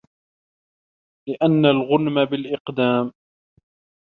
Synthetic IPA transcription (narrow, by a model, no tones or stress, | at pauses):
lɪʔanːalɣʊnmabɪlʔɪqd̪aːm